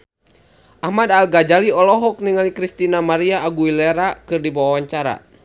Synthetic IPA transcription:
ʔahmadalɡad͡ʒaliɔlɔɦɔk̚niŋalikɾist̪inamaɾiaːɡuileɾakɨrdibawawaɲt͡ʃaɾa̰

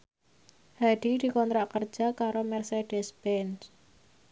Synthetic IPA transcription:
haɖ̪̥id̪̥i̤kɔnt̪ɾaʔkər̥d͡ʒ̥a̤kaɾomɛrseɖ̥ɛsbɛns

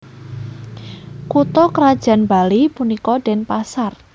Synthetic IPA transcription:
kut̪ɔkəɾad̥ʒ̥a̤nbalipunikɔdɖ̥ɛnpasar

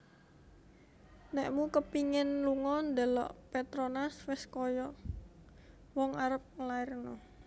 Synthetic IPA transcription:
nɛʔmukəpiŋɪnluŋɔnd̪əlɔ̰ʔpɛt̪ɾonaswɪskɔjɔ | wɔŋaɾəp̚ŋəlaɪrnɔ

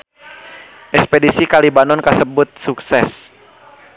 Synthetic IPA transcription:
ʔɛkspɛdisikalibanɔnkasəbut̪̚suksɛs

